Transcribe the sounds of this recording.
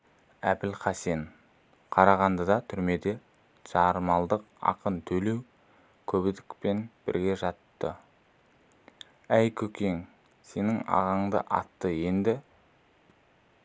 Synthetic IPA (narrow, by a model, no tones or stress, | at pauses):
æbɪlqʰɑse̞n | qʰɑɾɑʁɑnd̪əd̪ɑt̪ʰʏɾme̞d̪e̞ | ʒ̥ɑɾmɑlˠd̪əq̚ɑ̰qənt̪ʰɵle̞w | kʲʰɵbɪd̪ɪkpe̞nb̥ɪ̰ɾɡʲe̞ʒɑt̪ːə | æjkʲʰɵkʲe̞ŋ | se̞nɪŋɑ̰ʁɑɴd̪ə̰ʔɑ̰t̪ːəje̞nd̪ɪ